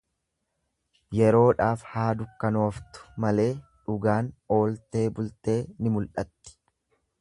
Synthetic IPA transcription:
jɛɾo̞ːᶑaːfhaːd̪ʊkːɐno̞ːft̪ʊ̥mɐle̞ːᶑʊɡaːno̞ːlt̪e̞ːbʊlt̪e̞ːnɪmʊlʔɐt̪ːɪ̥

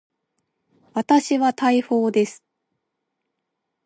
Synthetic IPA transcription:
βat̪aɕiβat̪aiɸo̞ːd̪e̞sɨ̥

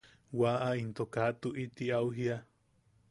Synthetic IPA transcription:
waʔaint̪okat̪uʔit̪iawɦia

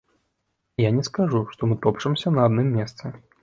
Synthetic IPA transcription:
janʲɛskaʐuʂt̪ɔmɨt̪ɔpʂɐmsʲɐnɐad̪nɨmːʲɛst̪sɨ

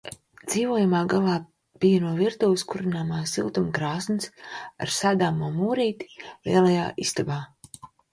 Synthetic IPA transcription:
d̪z̥iːvuɔjamaːɡalˠaː | b̥ijɐnuɔviɾt̪uːwskuɾinaːmaːsilˠt̪umkɾaːsnsa̰ɾsaːd̪aːmuɔmuːɾiːt̪i̥lḭɛlˠaja̰ːʔist̪abaː

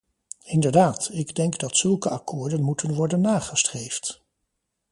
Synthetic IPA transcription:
ɪndəɹdaːtɪɡdɛŋɡdɑtsɵlˠkəʔɑkʰʊːɹdənmutʰənʋɔɹdənːaːχəstrejft

